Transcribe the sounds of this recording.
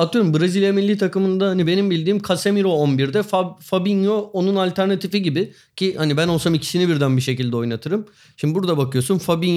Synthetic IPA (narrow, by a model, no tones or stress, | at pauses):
at̪ʰɯjo̞ɾumbɯɾezilʲjemilʲːiːt̪ʰakɯmɯnd̪ahanibe̞nimbilʲd̪iːmkʰasemiɾo̞onbiɾd̪ɛfafabinjoonunalʲt̪ʰæɾnat̪ʰifiɟibɪ | cʰihanibæno̞lˠsamicʰi̥sinibiɾd̪ænbiʃe̞cilʲd̪ɛo̞jnat̪ʰɯɾɯm | ʃimd̪ibuɾd̪abakɯjo̞sunfabin